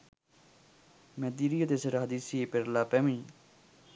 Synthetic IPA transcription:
mɛ̃ːd̪iːɾijəd̪eseɾɦəd̪iːsieːpeɾlaːpɛːmĩː

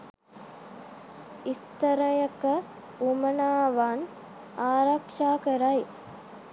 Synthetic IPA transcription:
ist̪ɐɾɐjɐkɐ | umɐnaːʋaːn | aːɾakʂaːkɐɾaj

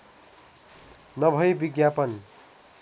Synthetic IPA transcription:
nʌbʱʌjbiɡjapʌn

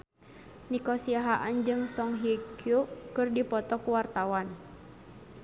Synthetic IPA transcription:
nikɔsiaɦaʔand͡ʒɨŋsɔŋɦikjukɨrdipɔt̪ɔkuwart̪awan

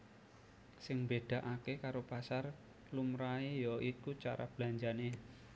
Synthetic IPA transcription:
sɪŋmbed̥ä̤ʔakekaɾopasar | lumɾaejɔʔikut͡ʃaɾa̰b̥laɲd͡ʒane

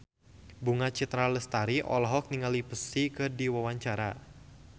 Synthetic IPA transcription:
buŋat͡ʃit̪ɾaləst̪aɾiʔɔ̰lɔɦɔk̚niŋalipəsikɨrdiwawaɲt͡ʃaɾa

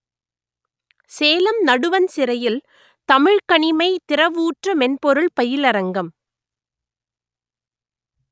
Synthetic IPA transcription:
seːlɐmnɐɽɯʋɐnsɪɾɐjɪl | t̪ɐmɪɻkɐɳɪmɐɪt̪ɪɾɐʋuːʈrɐmɛnpɔɾɯɭpɐjɪlɐɾɐŋɡɐm

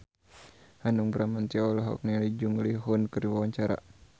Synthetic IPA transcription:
hanuŋbəɾamant̪iɔlɔɦɔ̰k̚nialid͡ʒuŋliɦunkɨriwawaɲt͡ʃaɾa̰

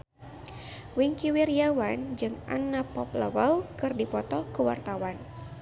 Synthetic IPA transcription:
wiŋkiwiriawand͡ʒɨŋa̰nːapɔpləwəlkɨrdipɔt̪ɔkəwa̰rt̪awan

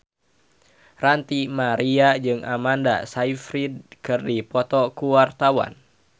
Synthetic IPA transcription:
rant̪imaɾiad͡ʒɨŋʔa̰manda̰saifɾid̚kɨrdipɔt̪ɔkuwart̪awa̰n

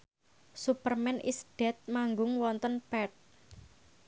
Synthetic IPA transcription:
supərmɛnʔḭsd̥ɛ̤t̪̚maŋɡʊŋwɔnt̪ənpɛt̪̚

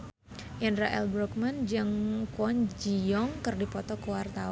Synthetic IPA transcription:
jɛnraʔɛlbɾɔk̚mand͡ʒəŋkwɔnd͡ʒiɔŋkərdipɔt̪ɔkəwart̪a

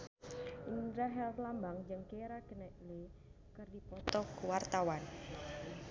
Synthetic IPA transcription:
ʔindɾaɦɛllambaŋd͡ʒɨŋkeɾaɡ̥ənɛʔle | kərdipɔt̪ɔkuwart̪awan

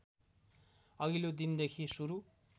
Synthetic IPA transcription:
ʌɦilod̪ind̪ekʰisuɾu

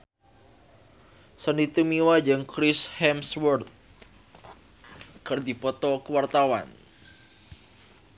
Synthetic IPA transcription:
sənit̪umiwad͡ʒɨŋkɾɪshɛmswɔrt̪̚ | kərd̪ipɔt̪ɔkəwart̪awa̰n

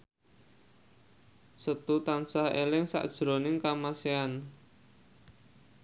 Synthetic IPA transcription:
sət̪ut̪ansahelɪŋsa̰ʔd̥ʒ̥ɾo̤nɪŋkamasean

